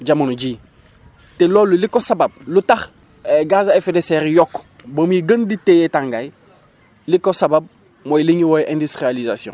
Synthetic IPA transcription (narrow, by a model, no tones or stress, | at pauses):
ɟamunuɟiː | teloːlːulikːosabab̚lutax | eɡazaefedeseɾjɔkː | bomiɡənditejetãŋɡaj | likːosabab̚ | mojliɲwojʔẽndistɾializasijõ̰